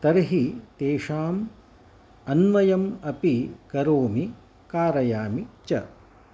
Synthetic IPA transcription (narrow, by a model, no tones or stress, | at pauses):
t̪ɐɾɦit̪eːʂaːm | ɐnʋɐjɐmɐpikɐɾoːmi | kaːɾɐjaːmit͡ʃɐ̰